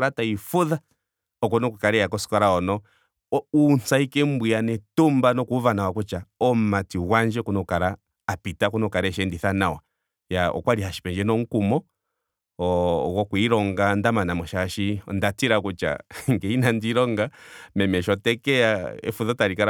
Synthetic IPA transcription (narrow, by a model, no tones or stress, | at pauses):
ɾataifuða | ɔkɔnɔkukaɾɛjakɔsi̥kaɾaɔnɔ | unsaikɛmbijanɛtumbanɔkuvanawakut͡ʃaɔmatiwand͡ʒɛkunɔkaɾaː | pitakunɔkaɾɛʃɛndiθanawa̰ | jaɔ̰kwaɾiɦaʃi̥pɛɲd͡ʒɛnɔŋ̩kumɔ | wɔkwuiɾɔŋɡandamanamɔʃaːʃiɔ̰ndatiɾakut͡ʃa̰ŋɡɛinandiɾɔŋɡamɛmɛʃɔtɛkɛaɛ̰fuðataɾikaɾ